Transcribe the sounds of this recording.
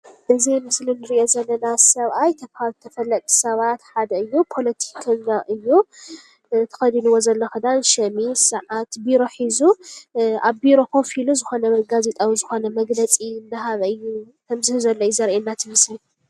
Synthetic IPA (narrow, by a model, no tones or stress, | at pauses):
ʔɨzimɨslinɨɾiʔo̞zɐlːɐnasɐβʔajt̪ʰɐβhat̪ʰɐfɐlːɐt̪ʼʰːi̥sɐβat̪ħad̪ɐɨjːupʰo̞lɐt̪ʰi̥kʰɐɲːaʔɨjːu | t̪ʰɐ̥xɐd̪inuwozɐlːoxɨd̪anʃɐmisɨʕat̪biɾo̞ħizuʔaβbiɾo̞kʰo̞filuzɨxo̞nɐɡazet̪ʼawizɨxo̞nɐmɐɡlɐt͡sʼindɨɦaβɨjːu | kʰɐmzɨhɨzɐlːojuzɐɾʔenːat̪ʰɨmɨsli